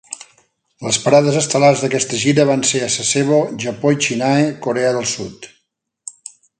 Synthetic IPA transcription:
ləspəɾaðəzəst̪əlarzðəkɛst̪əʒiɾəβ̞anseəsəseβ̞oʒəpoit͡ʃinaekuɾɛəðəlˠsṵt̪

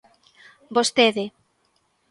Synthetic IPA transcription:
bost̪eðe

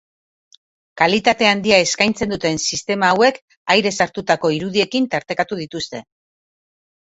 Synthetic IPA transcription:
kalit̪at̪e̞and̪iae̞skajnt͡se̞nd̪ut̪e̞nsist̪e̞maːwe̞k | ajɾe̞saɾt̪ut̪ako̞iɾuðie̞kint̪aɾt̪e̞kat̪uðit̪ust̪e̞̰

